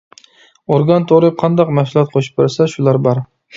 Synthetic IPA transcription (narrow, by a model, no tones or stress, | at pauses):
oɾɡʲɑnt̪ʰoɾɪp̚qʰɑnd̪ɒqmaʃʊlˠɑt̪̚qʰoʃɪ̥p̚bɪɾsaʃʊlaɾbɒɾ